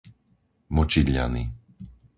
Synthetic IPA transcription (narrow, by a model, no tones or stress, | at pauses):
mɔt͡ʃid̪ʎa̰ni